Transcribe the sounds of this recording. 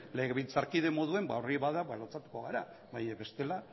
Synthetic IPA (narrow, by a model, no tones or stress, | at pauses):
leɣeβilt͡saɾkiðe̞mo̞ðue̞mba̰oriβaðaβalot͡sat̪u̥ko̞ɣaɾa | βajβe̞st̪e̞la